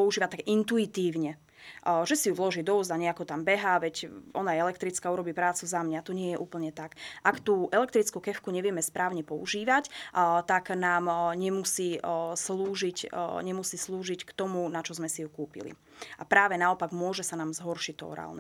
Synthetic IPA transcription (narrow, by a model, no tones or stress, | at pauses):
ɔuʒiːʋat̪aɡint̪uit̪iːʊɲɛ | ʒɛsijuʋlɔʒiːd̪ɔɔzaɲɛakɔt̪ambɛɦaːʋɛcʔɔnajɛɛlɛkt̪ɾit͡skauɾɔbiːpɾaːt͡suzamɲat̪ɔɲɪɛjɛʔuːpl̩ɲɛt̪akʔakt̪uːʔɛlɛkt̪ɾit͡skukɛfkuɲɛʋɪɛmɛspɾʔaːʊɲɛpɔṵʒiːʋact̪aɡnaːmɲɛmusiːsluːʒicɲɛmusiːsluːʒickt̪ɔmunat͡ʃɔzmɛsijukuːpḭlḭ | ʔapɾaːʋɛnaɔpaɡmʊɔʒɛsanaːmzɦɔrʃict̪ɔɔ̰ɾa̰ːlnɛ